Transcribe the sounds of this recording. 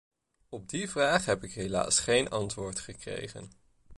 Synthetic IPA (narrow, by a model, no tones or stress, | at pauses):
ɔb̚divraːχɦɛpɪkɦejla̰ːsχejnɑntʋʊːɹtχəkrḛjχə̰n